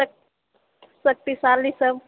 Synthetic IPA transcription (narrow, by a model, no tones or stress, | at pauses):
k | sək̚t̪isaɾlisəm